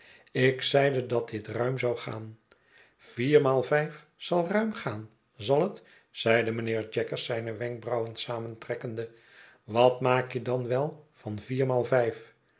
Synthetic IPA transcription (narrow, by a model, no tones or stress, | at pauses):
ɪksɛjdədɑt̚dɪtrœɥmzɑwχa̰ːn | v̥iːɹmaːlˠvɛjf | z̥ɑlˠrœɥmχaːn | zɑlˠət | z̥ɛjdəmənɪːɹd͡ʒɛkəɹsɛjnəʋɛŋɡ̚brɑwəntsaːməntrɛkəndə | ʋɑtmaːkjədɑnʋɛlˠv̥ɑnviːɹmaːlˠvɛjf